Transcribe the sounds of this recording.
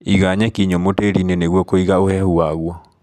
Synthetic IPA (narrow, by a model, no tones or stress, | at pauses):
iɣaɲɛkiɲɔmoteɾineneɣwɔkoiɣaohɛhuaɣwɔ